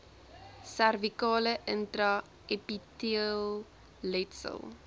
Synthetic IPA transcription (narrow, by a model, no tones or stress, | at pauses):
særvikɑːləʔəntrɐ | epitiəlˠ | lɛtsə̰lˠ